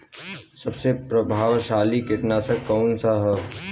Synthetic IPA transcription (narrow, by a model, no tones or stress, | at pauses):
sɐbsepɾɐbʱaːʋʃaːlikɪt̪nasɐkɔːnsaɦɛ